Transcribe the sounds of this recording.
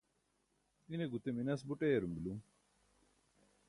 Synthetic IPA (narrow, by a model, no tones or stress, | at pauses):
ineɡut̪eminɐs̬buʈeːɾumbilum